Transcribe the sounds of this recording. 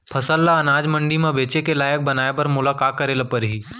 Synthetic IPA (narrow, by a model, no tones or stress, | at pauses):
pʰɐsəlːaɐnaːd͡ʒmɐ̃ɳɖimẽbeːt͡ʃekelaːjək̚bɐnaːjebɐɾmʊlaːkaːt̪̚kɐɾeːlapɐɾɦiː